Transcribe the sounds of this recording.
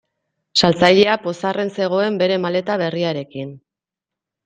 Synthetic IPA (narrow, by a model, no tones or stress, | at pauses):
salt͡saʎe̞apo̞sarʔe̞nse̞ɣ̞o̞e̞mbe̞ɾe̞male̞t̪aβ̞e̞riaɾe̞kin